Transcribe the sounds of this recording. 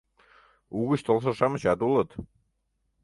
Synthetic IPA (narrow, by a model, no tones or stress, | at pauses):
uɣə̆ɕt̪olˠʃ̬ɤ̆ʃɑmə̆ɕɑt̪ulˠɤ̆t̪